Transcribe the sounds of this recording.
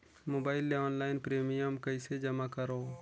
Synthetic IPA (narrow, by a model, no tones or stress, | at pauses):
moːbaːɪleɔːnlaːɪnpɾeːmijəmkɐised͡ʒɐmakəɾoː